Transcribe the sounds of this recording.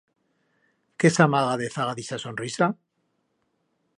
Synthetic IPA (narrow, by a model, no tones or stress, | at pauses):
kesamaɣaðeθaɣaðisasonrisa